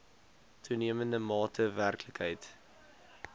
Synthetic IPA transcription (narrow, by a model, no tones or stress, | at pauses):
tʰuniəməndəmɑːtʰəværkləkɦəjt